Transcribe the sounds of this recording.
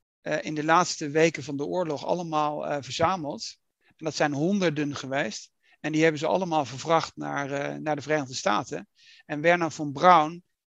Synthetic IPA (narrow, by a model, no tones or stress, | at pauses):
ʔɪndəlaːtstəʋejkənvɑndəʊːɹlɔχɑ̰ləmaːlˠəvəɹzaːməlˠt | ɛndɑtsɛjnɦɔndəɹdənχəʋejst | ɛndiɦɛbənzəɑ̰ləmaːlˠvəɹvrɑχtna̰ːɹnaːɹdəvərejnəʁdəsta̰ːtə̰n | ɛnbɛɹnafɑnbrʌwn